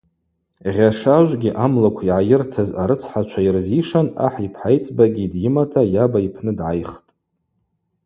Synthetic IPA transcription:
ʁʲaʂaʒʷɡʲiʔamlakʷʰiʕajɪrtʰazaɾɨt͡sʰħat͡ʃʷʰairziʂana̰ħipʰħajt͡sʼbaɡʲidjɪmatʰajabaipʰnɨdʕajχtʼ

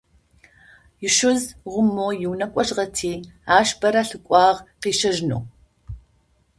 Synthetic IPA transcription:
jɪʃɨzʁʷʊmːoːjɪwnɐkʷʼɔɕʁɐtʰiːaːʃbɐɾɐɬɨkʷʼɑːʁqiːʃɐʒno̰ː

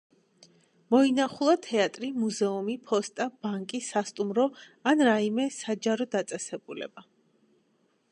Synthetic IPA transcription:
mɔinaχulˠat̪ʰɛat̪ʼɾimuzɛumipʰɔst̪ʼab̥aŋkʼisast̪ʼumɾɔ | anɾaimɛsad͡ʒaɾɔd̪at̪sʼɛsɛbulɛ̰ba

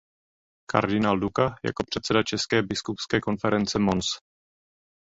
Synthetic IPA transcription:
ka̰ɾdɪnaːldukaja̰ko̞pr̝̥ɛt̪sɛdat͡ʃɛskɛːbɪskupskɛːko̞nfɛɾɛnt͡sɛmons

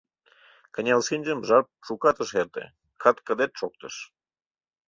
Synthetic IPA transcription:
kə̆nʲɑlsinʲd͡ʑəmʒɑrp̚ʃukɑt̪ə̆ʃert̪ḛ | kʰɑt̪kə̆d̪et̪̚ʃok̚t̪ə̰ʃ

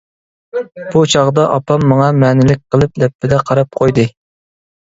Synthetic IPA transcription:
b̥ut͡ʃʰɑʁd̪ɑʔɑpɑmːɑŋɑmɛːnɪlɪk̚ʲqʰəlˠɨp̚d̪ɛpːɪd̪ɛqʰɑɾɑp̚qʰojd̪ɨ

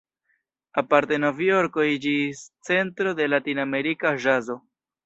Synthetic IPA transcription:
apaɾte̞novioɾkoid͡ʒist͡se̞ntɾo̞de̞latiname̞ɾikaʒazo̞

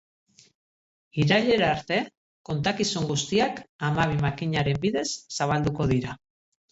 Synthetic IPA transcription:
iɾaʎe̞ɾaːɾt̪e̞ | ko̞nt̪akisuŋɡust̪iakamaβ̞imakiɲaɾe̞mbiðe̞sːaβ̞ald̪uko̞ðiɾa

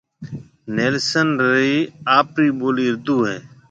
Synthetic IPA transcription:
neːlsənɾiːaːpɾiːɓoːliːɾd̪uːɦẽː

